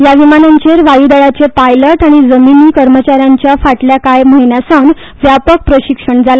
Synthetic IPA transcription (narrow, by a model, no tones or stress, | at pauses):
jaʋimanaɲt͡ɕeɾʋajud̪əɭat͡sepajləʈaɽ̃id͡zəminiːkəɾmət͡ɕaɾjaɲt͡ɕjafaʈljakajməɦinjasaʋn | ʋjapək̚pɾəɕikʂəɳd͡zala